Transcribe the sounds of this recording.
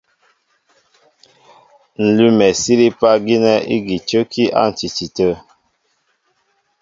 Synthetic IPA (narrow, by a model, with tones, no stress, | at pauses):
n̩˨lʉ˦mɛ˨si˦ɾi˦pa˦ɡi˦nɛ˦ḭ˦ɡi˨t͡ʃə˦ki˦ʔa̰˦˨n̩˨t͡ʃi˨t͡ʃi˨tə˦